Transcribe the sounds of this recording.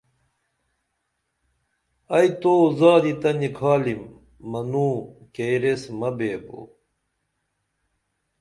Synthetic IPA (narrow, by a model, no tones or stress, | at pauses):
ɐjt̪oːzaːd̪it̪ɐnikʰaːlimː | ɐnuːkejɾesmɐbeːbo̰